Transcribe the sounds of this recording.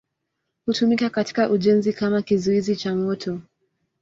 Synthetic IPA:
hutumikakati̥kaʔuʄɛnzikamakizuizit͡ʃamɔtʰɔ

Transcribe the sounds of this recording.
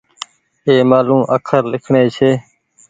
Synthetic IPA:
eːmaːlũːʔəkʰəɾlɪkʰɳeːt͡ʃʰeː

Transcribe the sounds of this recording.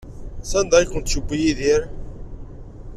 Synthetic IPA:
sænd̪ˤɑjkʊnt̪ʃəbːijiðiɾ

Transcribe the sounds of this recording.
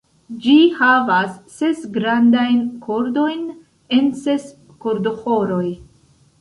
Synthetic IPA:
d͡ʒihavasːesɡɾandajnkʰo̞ɾdo̞jn | e̞nses | koɾdoxoɾo̞j

